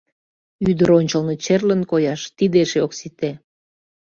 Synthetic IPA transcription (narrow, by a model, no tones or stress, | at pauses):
yd̪əɾonʲt͡ɕəlnot͡ɕerlənkojɑʃt̪id̪eʃeoksit̪e